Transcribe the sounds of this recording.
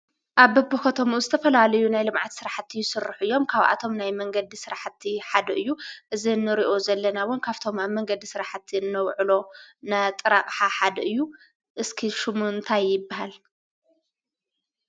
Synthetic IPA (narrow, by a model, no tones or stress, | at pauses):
ʔaβbɐbːɨkot̪ʰomuzɨt̪ʰɐfɐlalɐjunajlɨmʕat̪sɨɾaħt̪ʰːijɪsɨɾɨħɨjːo̞mkʰaβʔa̰t̪ʰo̞mnajmɐŋɡɐd̪isɨɾaħt̪ʰːiħad̪ɐʔɨjːuʔɨzinːɨɾiʔo̞zɐlːɐnawʊnkʰaβt̪ʰo̞maβmːɐŋɡɐd̪isɨɾaħt̪ʰːiɨnːɐwʕɨlo̞nat̪ʼɨɾakʼħaħad̪ɐʔɨjːu | ʔɨskʰiʃumunt̪ʰajːɪbːaɦal